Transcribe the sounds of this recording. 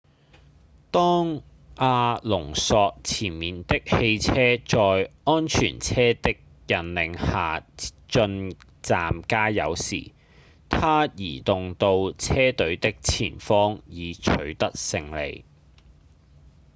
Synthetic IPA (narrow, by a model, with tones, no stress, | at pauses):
t̪ɔː˥ŋ | aː˧lʊ˨˩ŋsɔː˧k̚t͡sʰiː˨˩nmiː˨nt̪ɪ˥k̚he˧jt͡sʰɛː˥t͡sɔː˧jɔː˥nt͡ʃʰy̰ː˨˩nt͡sʰɛː˥t̪ɪ˥k̚ | jɐ˨nlɪ˨ŋhaː˨˩t͡ʃɵ˧n | t͡saː˨mkaː˥jɐ̰˨˧wsḭː˨˩ | t̪ʰaː˥jiː˨˩t̪ʊ˨ŋt̪o˧wt͡sʰɛː˥t̪ɵ˨˥ɥt̪ɪ˥k̚t͡sʰiː˨˩nfɔː˥ŋjiː˨˧t͡ʃʰɵ˨˧ɥt̪ɐ˥k̚sɪ˧ŋlḛ˨˧j